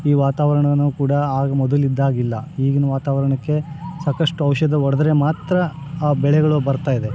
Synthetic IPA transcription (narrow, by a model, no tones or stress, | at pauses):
iːʋaːt̪aːʋɐɾɐɳɐʋɐnɳːukuːɽɐaːɡɐmɔd̪ɐlid̪ːaːɡilːɐiːɡinɐʋaːt̪aːʋɐɾɐɳɐkːe̞ | saːkɐʂʈuɐʋʃɐd̪ɐɔɽɐd̪ɐɾe̞maːt̪ɾɐ | aːbɛɭɛɡɐɭubɐɾt̪aːjid̪e̞